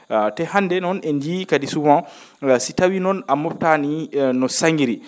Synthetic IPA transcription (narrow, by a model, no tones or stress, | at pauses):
tɛhandɛnɔnɛnd͡ʒikadisuwã | sitawinɔnamɔp̚taninɔsaŋɡiɾi